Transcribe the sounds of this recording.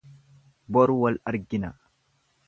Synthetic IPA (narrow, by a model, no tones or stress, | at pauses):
bɔɾwɐlɐɾɡɪnɐ